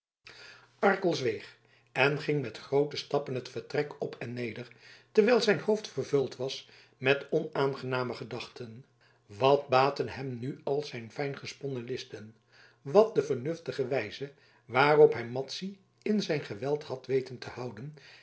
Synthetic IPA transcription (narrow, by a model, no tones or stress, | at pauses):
ɑɹkəlˠzʋejχ | ɛnχɪŋmɛtχrowtəstɑpənɦətfəɹtrɛkɔpʰɛnːejdəɹtəɹʋɛjlˠzɛjnhowftfəɹvɵlˠtʋɑs | mɛtɔnaːnχənaːməχədɑχtʰən | ʋɑt̚baːtənɦɛmnyɑlˠz̥ɛjnfɛjnχəspɔnəlɪstən | ʋɑt̚dəvəɹnɵftəχəʋɛjzə | ʋaːrɔpɦɛjmɑtsi | ɪnzɛjnχəʋɛlˠthɑtʋejtəntəhɑwdən